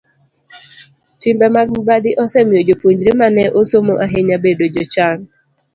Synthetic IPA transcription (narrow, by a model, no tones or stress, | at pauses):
timbɛmabadɪʔɔsɛmod͡ʒopuɲd͡ʒɾemanɛʔosomoʔaɦeɲabedod͡ʒot͡ʃan